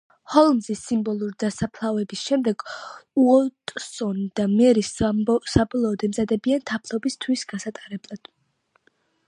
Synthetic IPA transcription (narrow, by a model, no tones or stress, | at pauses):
hɔlˠmzisimbɔlˠuɾid̪asapʰlˠavɛbisʃɛmd̪ɛɡ̥uɔt̪ʼsɔnd̪̥amɛɾissabɔlˠɔːd̪ɛmzad̪ɛbiant̪ʰapʰlˠɔbist̪ʰwisɡasat̪ʼaɾɛblˠad̪̥